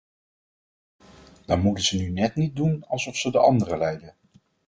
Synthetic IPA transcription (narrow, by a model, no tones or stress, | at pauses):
d̥ɑnmutənzənynɛtnit̚dunɑlˠsɔfsədəʔɑ̰ndərəlɛjdə